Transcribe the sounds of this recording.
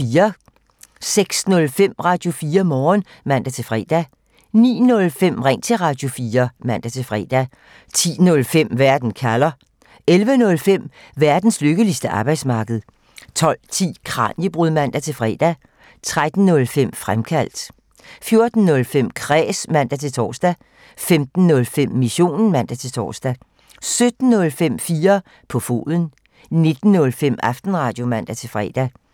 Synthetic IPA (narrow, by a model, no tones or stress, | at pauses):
iːɐ | seɡ̥snɔ̽lfem̰ʁɑ̈ːd̥jo̝fiːɐmɒːn | mæn̰d̥æt͡sʰe̝fʁɛ̰ːd̥æ | nḭːnɔ̽lfem̰ʁeŋ̰t͡sʰe̝ʁɑ̈d̥jo̝fiːɐmæn̰d̥æt͡sʰe̝fʁɛ̰ːd̥æ | t͡sʰḭːnɔ̽lfem̰ʋæɐd̥n̩kʰælɐ | elʋənɔ̽lfem̰ | ʋæɐd̥n̩sløɡ̥əlisd̥əʔɑ̈ːb̥ɑ̈ɪd̥smɑ̈ːɡ̥əð̩ˠ | t͡sʰɒ̽l̰t͡sʰḭːkʰʁɑ̰̈ːnjəb̥ʁuðˠmæn̰d̥æt͡sʰe̝lfʁɛ̰ːd̥æ | t͡sʰʁad̥n̩ːɔ̽lfem̰fʁamkʰæl̰d̥ | fjo̝ɐd̥n̩ːɔ̽lfem̰kʰʁɛ̰ːsmæn̰d̥æt͡sʰe̝lt͡sʰɒ̰ːsd̥æ | femd̥n̩ːɔ̽lfem̰ːiɕo̝̰ːnn̩mæn̰d̥æt͡sʰe̝lt͡sʰɒ̰ːsd̥æ | sød̥n̩ːɔ̽lfem̰fiːɐ | pʰɒ̽fo̝̰ːðˠən̩ | ne̝d̥n̩ːɔ̽lfem̰ɑ̈fd̥n̩ʁɑ̈ːd̥jo̝mæn̰d̥æt͡sʰe̝lfʁɛ̰ːd̥æ